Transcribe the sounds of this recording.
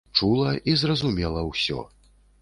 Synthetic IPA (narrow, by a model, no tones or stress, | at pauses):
t͡ʂulˠɐʔizrɐzumʲɛlˠɐwsʲɔ̰